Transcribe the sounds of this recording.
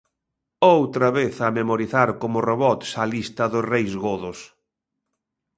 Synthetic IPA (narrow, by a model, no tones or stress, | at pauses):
owt̪ɾɐβeθɐmemoɾiθaɾkomʊroβɔt̪sɐlist̪ɐðʊsrejzɣoðʊs